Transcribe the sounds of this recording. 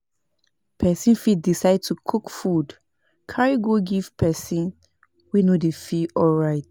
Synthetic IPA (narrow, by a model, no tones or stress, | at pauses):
pʰɛsĩnfidisaɪd̚tʰukʰukfud | kʰaɹiɡoɡiv̥pʰɛsĩn | winodefiɔlɹaɪt